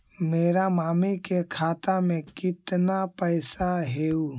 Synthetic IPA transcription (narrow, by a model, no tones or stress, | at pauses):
meːɾamaːmikekʰaːt̪amẽkɪt̪napəɪsaɦeːu